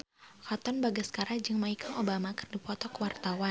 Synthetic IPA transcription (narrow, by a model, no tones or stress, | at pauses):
kɔt̪ɔnbaɡasə̥kaɾad͡ʒɨŋmaikʰaŋʔobamakɨrdipɔt̪ɔkəwart̪awa